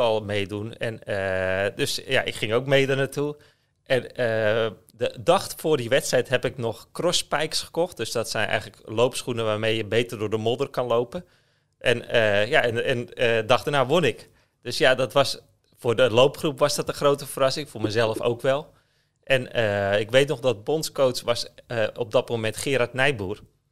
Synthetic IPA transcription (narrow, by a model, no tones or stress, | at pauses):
ɔlˠmejdunɛnədøsjaʔɪ̰kχɪŋowkmejdənatu | ʔɛnə | dədɔxtfʊːrdiʋɛtstrɛjtɦɛpɪknɔχkrɔspɛjksχə̥kɔxt̚døsdɔtsɛjnʔɛ̰jɣələklowpsχunəʋaːrmejjəbejtərdʊːrdəmodərkɑnlowpən | ʔɛnəjaɛnɛnədɑxdənaːʋonɪk | d̥øsjadɔtʋɑs | fʊːrdəlowpχrupʋɑsdɔtəxrowtəfərɑsɪŋfoːmɛjzɛlˠəfo̰wkʋɛlˠ | ʔɛnəɪkʋejtnɔxdɔt̚bontskowsʋɑsəɔb̚dɔt̚momɛntχɪːɾatnɛjbuər